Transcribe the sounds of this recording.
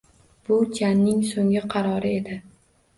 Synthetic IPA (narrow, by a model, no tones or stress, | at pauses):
b̥ʊd͡ʒʰanːɪŋsoŋɪqʰɑɾɒɾɪe̞d̪ɪ